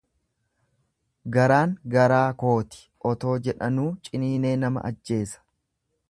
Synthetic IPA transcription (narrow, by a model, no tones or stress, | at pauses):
ɡɐɾaːŋɡɐɾaːko̞ːt̪ɪ̥ʔɔt̪o̞ːd͡ʒɛᶑɐnuːt͡ʃʼɪniːne̞ːnɐmɐ̰ʔɐ̰d͡ʒːe̞ːsɐ̥